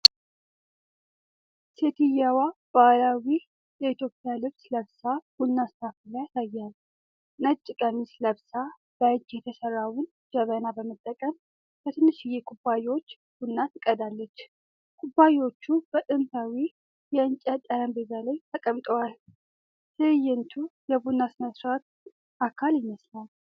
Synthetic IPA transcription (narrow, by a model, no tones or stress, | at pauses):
set̪ʰɨjawab̥alawi | jɛit̪jo̞pʼɪjalɨβsləβsaw̥unːast̪ʰafilajasajːal | nət͡ʃʼːɪkʼənisləβsa | b̥əɨd͡ʒːjɛt̪ʰəsərːawʊn | d͡ʒəβənabəmət̪ʼːəkʼəm | b̥ət̪ʰɨnːɨʃɪjɛkʰʼubːajwo̞t͡ʃː | b̥unːat̪ʰɨkʼəd̪alːət͡ʃː | kʰʼubːajwo̞t͡ʃːub̥ət̪ʼɨmt̪awi | jɛɨnt͡ʃʼat̪ʼaɾəmbezalajt̪ʰəkʼəmt̪ʼəwal | sʰɨjːɛnt̪ʰujɛbunːasməsɾat̪̚ | ʔakʰaljɪməslal